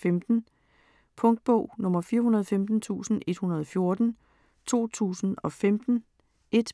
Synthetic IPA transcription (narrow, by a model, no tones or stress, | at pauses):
emd̥n̩ | pʰɔ̽ŋd̥̚b̥ɔʊ̰nɔ̽mɐfiːɐɦunɐð̞ˠɒfemd̥n̩t͡sʰṵːsn̩e̝d̥hunɐð̞ˠɒ̽fjo̝ɐd̥n̩ | t͡sʰo̝̰ːt͡sʰṵːsn̩ɒ̽femd̥n̩ | e̝d̥